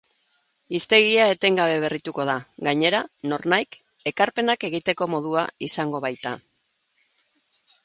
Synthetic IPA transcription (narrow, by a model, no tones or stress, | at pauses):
ist̪e̞ɣiae̞t̪e̞ŋɡaβ̞e̞β̞e̞rit̪uko̞ð̞aɣaɲe̞ɾano̞ɾnajk | e̞kaɾpe̞nake̞ɣ̞it̪e̞ko̞mo̞ð̞ua̰isaŋɡo̞βajt̪a